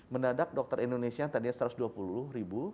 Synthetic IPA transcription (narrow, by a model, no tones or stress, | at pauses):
mənadak̚dɔk̚t̪əɾindonesiat̪adianst̪əɾʊsduapullʊhɾibu